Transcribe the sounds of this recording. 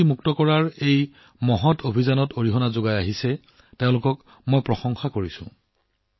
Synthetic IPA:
imuktɔkɔɹaɹej | mɔɦɔtʰobʱizanɔtoɹiɦɔnazoɡajaɦisɛ | teʊ̃lʊkɔk | mojpɹɔsɔŋxakoɹisʊ̰̃

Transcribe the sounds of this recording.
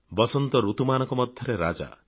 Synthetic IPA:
bɔsɔnt̪ɔɾut̪umanɔ̃ŋkɔmɔd̪ʱjɔɾeɾa̰d͡ʒa̰

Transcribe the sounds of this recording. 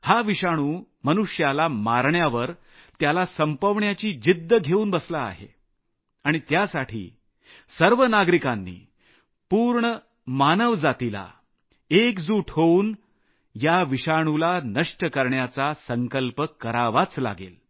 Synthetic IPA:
haʋiɕaɽ̃uː | mənuʂjalamaɾɳjaʋəɾ | t̪jalasəmpəʋɳjat͡ɕiːd͡ʑid̪ʱːəɡʱeuːnbəslaa̰ɦḛ | aɽ̃it̪jasaʈʰḭː | səɾʋənaɡɾikanːḭː | puːɾɳə | manəʋd͡zat̪ila̰ | ekd͡zuːʈʰɦouːn | jaʋiɕaɽ̃ulanəʂʈəkəɾɳjat͡sasəŋkəlpəkəɾaʋat͡sla̰ɡḛl

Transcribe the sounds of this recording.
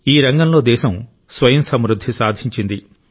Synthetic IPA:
iːɾɐŋɡɐmlo̞ːd̪ɛːʃɐm | sʋɐjɐmsɐmɾud̪ʱːisaːd̪ʱiɲt͡ʃind̪i

